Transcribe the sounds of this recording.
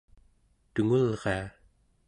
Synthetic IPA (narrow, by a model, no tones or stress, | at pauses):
t̪uŋulʁea